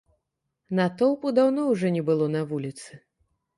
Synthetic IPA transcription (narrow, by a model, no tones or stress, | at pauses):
nɐt̪ɔwpud̪awnɔwʐɔnʲɛbɨlˠɔnɐvulʲit̪sɨ